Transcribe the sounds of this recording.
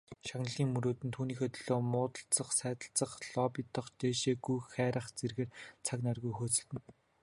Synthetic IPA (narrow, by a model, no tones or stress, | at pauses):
ʃaɣnə̆ɮiːŋmɵɾoːt̪ɘ̆nt̪ʰuːniːxeːt̪ʰɵɮoːmʊːt̪ə̆ɬt͡sə̆χsæːt̪ə̆ɬt͡sə̆χɮɔpɪt̪ə̆χt͡ɕeːʃeːɡujxæːɾə̆χt͡serɣeːrt͡sʰaknarɣujxoːt͡sɘ̆ɬt̪ɘ̆n